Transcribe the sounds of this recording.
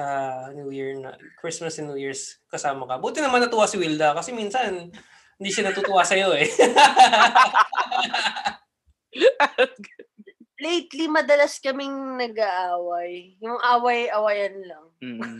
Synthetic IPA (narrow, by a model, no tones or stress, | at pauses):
ɐnjuːjiɹnɐ̰kɹɪsmɐsnjujiɹskɐsaːmɐkɐbuːt̪ɪnɐmanːɐt̪ʊwasɪwild̪ɐkɐsɛminsɐn | hɪnd̪iːʃɐnɐt̪uːt̪ʊwaːsɐjo̞ɛ | lejt̪limɐd̪ɐlaskɐmɪŋnɐɡaʔaːwɐjːʊŋʔaːwɐjʔɐwɐjɐnlɐŋ